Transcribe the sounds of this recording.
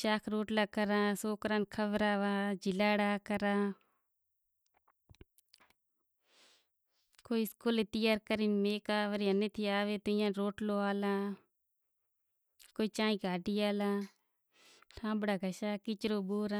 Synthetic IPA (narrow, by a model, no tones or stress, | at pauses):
ʃaːkʰɾoːʈlaːkəɾãːsoːkɾaːnkʰəʋɾaːʋaːd͡ʒɪlaːɽaːkəɾãː | koːiskuːleːt̪ɪjaːɾkəɾiːmeːkaːʋəɾiɦəneːt̪ʰiːaːʋeːt̪oɪjãːɾoːʈloːaːlaː | koːiːt͡ʃãːĩːɡʱaːɖiːaːlaː | ʈʰãːbɽaːɡʱəʃaːkɪt͡ʃɾoːboːɾaː